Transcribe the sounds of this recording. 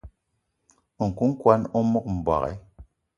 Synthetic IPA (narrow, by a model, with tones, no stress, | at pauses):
ŋ̩˨ku˦ŋ̩˦kwa˦nɔ˦mɔ˦k̚m̩˨ba̰˨kɛ̰˦